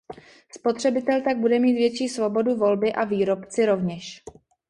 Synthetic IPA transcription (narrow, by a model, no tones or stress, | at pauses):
spo̞t̪r̝̥ɛbɪt̪ɛlt̪aɡ̚budɛmiːt̪vjɛt͡ʃiːsvo̞bo̞duvo̞lbɪʔaviːɾo̞pt͡sɪɾo̞vɲɛʃ